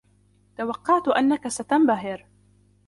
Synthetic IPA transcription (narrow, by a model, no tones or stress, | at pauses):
t̪awɑqːɑʕt̪ʊʔanːakasat̪ambaɦɪɾ